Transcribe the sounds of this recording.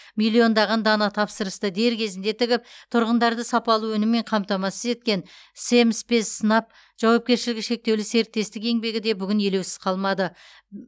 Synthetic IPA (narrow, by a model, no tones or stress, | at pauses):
milˠio̞nd̪ɑʁɑnd̪ɑnɑt̪ʰɑpsəɾəst̪əd̪e̞ɾkʲʰe̞zɪnd̪e̞t̪ʰɪɡʲɪp̚t̪ʰʊɾʁənd̪ɑɾd̪əsɑpɑlˠuɵnɪmːe̞ɴqʰɑmt̪ɑmɑsəze̞t̪̚kʲe̞n | se̞mspe̞ssənɑp̚ | ʒ̥ɑwɑp̚kʲe̞ɾʃɪlɪɡʲɪʃe̞k̚t̪ewlɪse̞ɾt̪ːe̞st̪ɪke̞ŋbe̞ɡʲɪd̪e̞bʏɡʲɪnje̞le̞wsɪ̥z̥qʰɑlˠmɑd̪ə